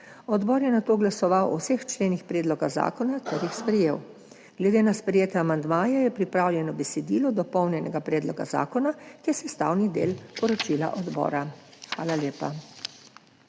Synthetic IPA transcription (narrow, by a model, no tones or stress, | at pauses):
ɔd̪bɔːɾjɛnat̪oːɡlasɔʋawɔ̰wsext͡ʃleːnixpɾɛːd̪lɔɡaza̰ːkɔnak̪ɔɾjixspɾɛjeːw | ɡlɛd̪eːnaspɾɛjeːt̪ɛamand̪maːjɛjɛpɾipɾaːwljɛnɔbɛsɛd̪iːlɔd̪ɔpɔwnjɛnɛɡapɾɛːd̪lɔɡa̰za̰ːkɔnakiɛsɛst̪a̰ːwnid̪ḛːlpɔɾɔt͡ʃila̰ʔɔd̪bɔ̰ːɾaxʋa̰ːlaleːpa̰